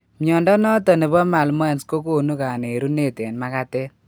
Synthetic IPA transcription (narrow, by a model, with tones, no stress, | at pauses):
miɔ˨ndɔ˦nɔ˦tɔ˨ne˨bɔ˦ma˨lmɔ˦ɛ˨nsko˦ko˦˨nu˦ka˨ne˨ɾu˦ne˦˨te˨nma˦ka˦te˦